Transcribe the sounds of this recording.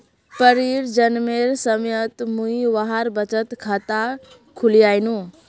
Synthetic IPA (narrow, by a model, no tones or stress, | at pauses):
pəɾiɾd͡ʒənmeɾsəmjət̪muiʋaɦaɾbət͡ʃət̪kʰat̪a | kʰulijaːjnũ